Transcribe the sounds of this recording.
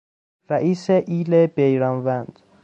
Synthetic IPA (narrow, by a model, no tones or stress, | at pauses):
ɾæʔiːseʔiːlebejɾɒnvænd̪̥